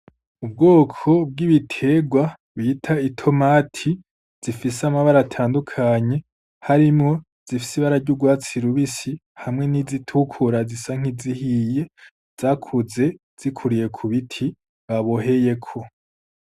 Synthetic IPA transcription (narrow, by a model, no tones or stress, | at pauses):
ub̚ɡo̞ːkʰo̞b̚ɡiβitʰe̞ːɡwa | βitʰaitʰo̞maːtʰi | z̥ifisamaβaɾatʰaːndukʰaɲe̞ | haɾimŋo̞ | z̥ifi̥siβaɾaɾɟuɡwaːt͡siɾuβisi | hamŋe̞nizitʰukʰuɾazisaŋ̥izihije̞ | z̥aːkʰuze̞ | z̥ikʰuɾije̞kʰuβitʰi | βaβo̞ɦe̞je̞kʰo̞